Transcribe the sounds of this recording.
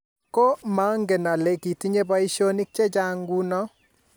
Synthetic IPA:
ko˦ma˨˦ŋɡe˨na˨le˨ki˨ti˦ɲe˦ba˦i˦ʃo˦ni˦k̚t͡ʃe˦t͡ʃa˦ŋɡu˦nɔ˦

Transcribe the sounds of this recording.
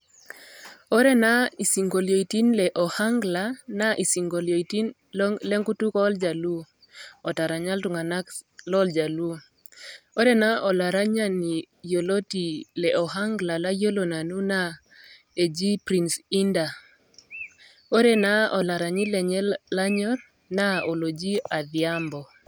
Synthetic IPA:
o˦ɾe˦na˦i˨si˨ŋɡo˨ljo˨i˨ti˦nlɛ˨ʔɔ˨ha˦ŋɡla˨na˦ʔi˨si˨ŋɡo˨ljo˨i˨ti˦n | lɛ˦ŋku˦tu˦kɔ˦ld͡ʒa˨lu˦ | ɔ˨ta˨ɾa˨ɲa˦ltu˨ŋa˨na˦klɔ˦ld͡ʒa˨lu˦ | o˦ɾɛ˦na˦ɔ˨la˨ɾa˦ɲa˦ni˨ | jo˨lo˦ti˨lɛ˨ʔɔ˨ɦa˦ŋɡla˨la˦jo˦lo˨na˨nu˦na˦ | e˨d͡ʒi˦pɾi˨nsi˦nda˨ | o˦ɾe˦na˦ɔ˨la˨ɾa˨ɲi˦lɛ˨ɲɛ˦lla˦ɲɔ˦ɾ | na˦o˨lo˨d͡ʒi˦a˨ðja˦mbɔ˨

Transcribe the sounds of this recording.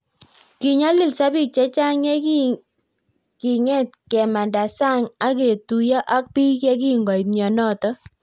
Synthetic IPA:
ki˨ɲa˦lɪ˦˨lsa˦bi˦k̚t͡ʃɛ˦t͡ʃa˦ŋɛ˦k | ki˨ŋɛ˦˨t̚kɛ˨ma˨nda˨sa˦ŋa˦ke˨tu˨ja˦ʔa˦k̚pi˦kɛ˦k̬i˦ŋɡɔ˨i˨ɲɔ˨nɔ˦˨tɔ˦

